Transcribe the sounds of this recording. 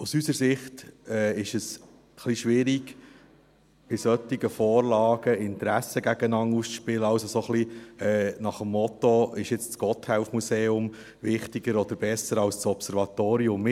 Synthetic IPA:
usysəɾsɪχtɛːɪʃəs | χliʃʋɪɾiɡ | b̥ɪsœt̪iɡəfoːɾlɑːɡ̥əɪnt̪ɾæsəɡæɡ̥ənɑŋuspɪləɑwsosoχliɛːnɑχəmːɔt̪oɪʃɪt͡st͡sɡ̥ɔthɛlfmuseːʊm | vɪχtiɡəɾɔd̪əɾb̥ɛsəɾɑlst͡sɔpsɛɾvɑt̪oːɾiʊmːɪ

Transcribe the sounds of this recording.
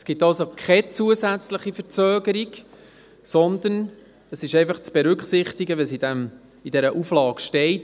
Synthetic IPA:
sɡ̥ɪtɑlsokʰχɛt͡suəzæt͡sləχifəɾt͡søːɡəɾiɡ | sɔnd̪ən | əsɪʃɛɪfɑχt͡sb̥ɛɾʏkχsɪχt̪iɡəʋɛs̬id̪æm | id̥ɛɾəʔuflɑːkʃtɛɪt

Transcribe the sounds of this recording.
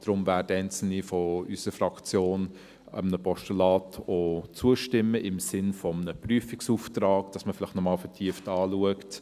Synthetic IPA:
d̥ɾʊmvæːdæɪnt͡sl̩nifɔysəɾfɾɑkt͡sjoːn | ə̰mnəpʰɔʃtulɑːtʰot͡suəʃtɪmːəʔɪmsɪnfɔmənəpryəfiksuːftɾɑːkd̥ɑsməfɪlɪχtnɔmɑːlfɛtʰiəftɑːluəkt

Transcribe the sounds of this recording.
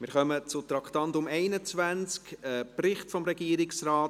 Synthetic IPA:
mɪɾχœmət͡sʊt̪ɾɑkχtɑntʊmɛɪnət͡svænt͡skəprɪχtfɔmɾɛɡiəɾɪksraːt

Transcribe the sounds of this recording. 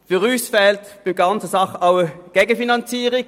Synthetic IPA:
fyʁyːsfɛltb̥ɪmɡ̥ɑnt͡səsɑχəʔaʊəɡ̥eːɡənfinɑnt͡siːʁɪ

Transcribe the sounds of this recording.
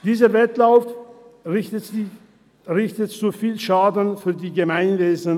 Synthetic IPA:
d̥iːzəvɛtlaʊf | ʁɪçtətzufiːlʃaːdn̩fyːɐdiːɡəmaɪnveːzn̩

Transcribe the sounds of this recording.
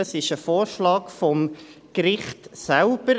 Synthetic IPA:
əsɪʃəfoːɾʃlɑːkfɔmkɾɪχtsælb̥əɾ

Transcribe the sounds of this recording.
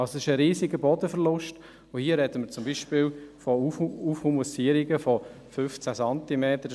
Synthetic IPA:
ɑlsosɪʃəɾiːziɡəbɔdəfəɾlʊʃt | ohiːəɾɛdəməɾt͡sʊmbiːʃpɪːlfɔufhumusiəɾiɡəfɔ | fʏft͡sæsɑntimeːt̪əɾ

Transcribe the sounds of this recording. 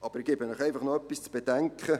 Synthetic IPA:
ʔɑb̥əɾɪɡ̥eːbənœχeɪfɑχnoœpːist͡sb̥edɛŋkχə

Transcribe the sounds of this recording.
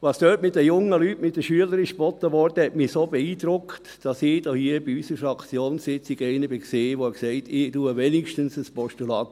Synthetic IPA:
ʋɑsd̥øːtmɪt̚dəjʊŋəlyːtmɪt̚d̥əʃyələɾɪʃb̥ɔt̪əʋɔɾdəhɛtmisoːbeiːd̥ɾʊktd̥ɑsɪd̥ɔhiːəb̥iysəɾfɾɑkt͡sjoːnsɪt͡siɡeɪnəb̥ɪkseːʋoɛkseɪtɪtuːəʋɛnɪkʃtənsəspɔʃtulɑːt̪

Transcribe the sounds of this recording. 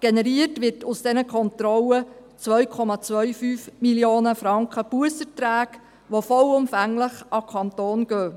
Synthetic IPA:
ɡ̥enɛɾiətʋɪtʊsd̥ɛnəkʰɔnt̪ɾɔlət͡sʋœɥkʰɔmɑt͡sʋœɥfyːfmiljoːnəfɾɑŋkχəb̥uəsətɾæːk | ʋofɔlʊmfæŋləχʔɑkʰɑnt̪oːnɡ̥øː

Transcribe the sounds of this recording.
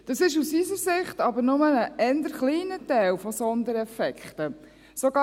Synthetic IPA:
d̥ɑsɪʃusisəɾsɪχtɑbəɾnʊmənəʔɛnd̪əɾχliːnətæɪlfɔsɔnd̪əɾɛfɛkχtə | sɔɡɑ

